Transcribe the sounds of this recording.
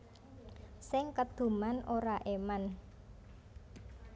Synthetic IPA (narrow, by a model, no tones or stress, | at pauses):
sɪŋkəd̪̥ṳmanʔoɾaʔeman